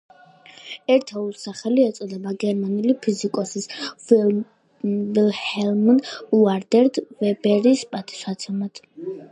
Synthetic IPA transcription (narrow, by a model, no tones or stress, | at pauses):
ɛɾt̪ʰɛulˠsaχɛliɛt̪sʼɔd̪ɛbaɡɛɾmanulipʰizikʼɔsis | vilhɛlmnd̪uaɾd̪ɛɾd̪vɛbɛɾispʼat̪ʰʼi̥ʃat̪sʰɛmat̪ʰ